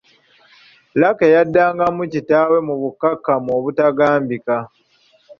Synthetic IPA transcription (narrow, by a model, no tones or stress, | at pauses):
lakejadːaːŋɡamucitaːwe̞muβukːakːamoːβutaɡaːmbika